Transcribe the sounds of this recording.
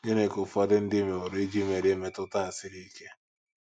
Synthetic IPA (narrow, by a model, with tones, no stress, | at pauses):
ɡe˦ne˨kʊ˨fʊ˦a˦dɪ˦n̩˦dɪ˦me˨o˨ɾe˦d͡ʒi˦me˨ɾe˦me˦tʊ˦ta˦n̩˨sɪ˦ɾi˦ke˦